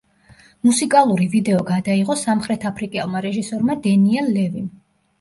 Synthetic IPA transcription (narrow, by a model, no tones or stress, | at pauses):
musikʼalˠuɾivid̪ɛɔɡad̪aiʁɔsamχɾɛt̪ʰapʰɾikʼɛlˠmaɾɛʒisɔɾmad̪ɛniɛlˠːɛvim